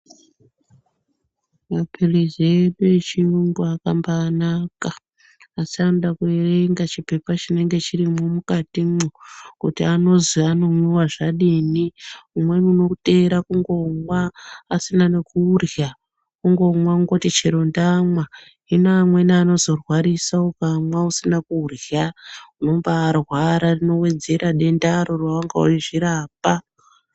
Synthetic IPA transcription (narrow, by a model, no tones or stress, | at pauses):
mapʰirizieɗuet͡ʃiumɡuakambaːnakaː | sanɗakuereŋɡat͡ʃipe̞pat͡ʃine̞ŋɡe̞t͡ʃirimomukatimukutiano̞ziano̞muwaʐaɗiniumwe̞nuno̞tʼe̞ɾakuŋɡo̞ŋwaːsinanekuːrja | kuŋɡo̞mwauŋɡo̞tit͡ʃeɾondamwa | ɦinamwe̞naːno̞zo̞rwaɾisaukamwausinakuːrjauno̞mbaːrwaɾarino̞we̞d͡ze̞ɾaɗe̞ndaɾorwaaŋɡa̰ṵiʐiɾaːpa